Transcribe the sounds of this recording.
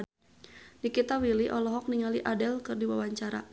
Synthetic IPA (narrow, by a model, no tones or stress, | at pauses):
nikit̪awiliʔɔlɔɦɔk̚niŋaliʔadɛlkɨrdiwawaɲt͡ʃaɾa̰